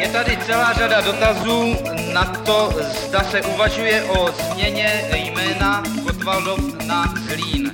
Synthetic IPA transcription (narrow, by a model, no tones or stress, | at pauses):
jɛt̪adɪt͡sɛlaːr̝adado̞t̪azuː | nat̪ozdasɛʔuvaʒujɛʔozmɲɛɲɛjmɛːna | kot̪valdofnazliːn